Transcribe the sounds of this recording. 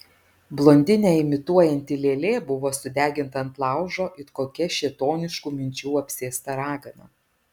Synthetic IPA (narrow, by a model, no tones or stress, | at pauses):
blˠoːnʲd̪ʲɪnʲeːɪmʲɪt̪uɔjɛnʲt̪ʲɪlʲeːlʲeːbʊʋoːsʊd̪ʲæːɡʲɪnt̪ɐɐnt̪lˠɑˑʊʒoːʔɪkoːkʲɛʃʲeːt̪oːnʲɪʃkuːmʲɪnʲt͡ʃʲuːɐpʲsʲeːst̪ɐɾɑːɡɐnɐ̰